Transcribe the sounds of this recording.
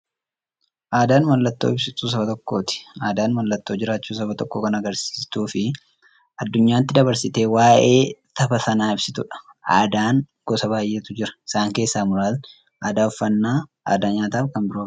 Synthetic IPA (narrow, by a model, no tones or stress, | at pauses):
ʔaːd̪aːnmɐlːɐt̪ːo̰ːɪbsɪt̪ːuːs̬ɐbɐt̪ɔkːo̞̰ːt̪ɪ̥aːd̪aːnmɐlːɐt̪ːo̞ːd͡ʒɪɾaːt͡ʃːuːs̬ɐbɐt̪ɔkːo̞ːkɐnɐɡɐɾsi̥ːst̪uːfɪ | ʔɐd̪ːʊɲːaːt̪ːɪd̪ɐbɐɾsɪt̪e̞ːwaːʔeːt̪ɐbɐsɐnaːɪbsɪt̪ʊᶑɐ̥ | ʔaːd̪aːŋ | ɡ̥ɔsɐbaːjʔe̞ːt̪ʊd͡ʒɪɾɐ̥ɪsaːŋke̞ːsːaːmʊɾaːl | ʔaːd̪aːʊfːɐnːaːʔa̰ːd̪aːɲaːt̪aːfkɐnbɪɾo̥ː